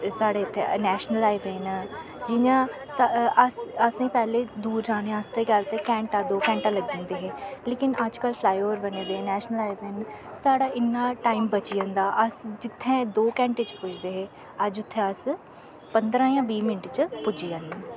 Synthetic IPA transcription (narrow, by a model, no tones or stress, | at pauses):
saːɽeːt̪ʰːenɛːʃnəlaːiʋeːnː | d͡ʒɪɲãː | əsəsĩːpɛːleːd̪uːɾd͡ʒãːnẽãəst̪eːɡalt̪eːkɛ̃ːɳʈãːd̪oːkɛ̃ːɳʈãːləɡd̪ẽnd̪eːɦeːleːkɪnəd͡ʒkəlpʰlaːjoːɾbənẽːd̪eːẽːnɛːʃnəlaːɪʋeːn | saːɽaːʔɪnːaːʈaːimbət͡ʃiːãːnd̪aːʔəsd͡ʒɪt̪ʰːɛ̃ːd̪oːkɛ̃ːɳʈet͡ʃpʊt͡ʃʰd̪eːɦeː | əd͡ʒʊt̪ʰːẽːəs | pənd̪ɾãːjãːbiːmɪnʈt͡ʃpʊd͡ʒiːãːneː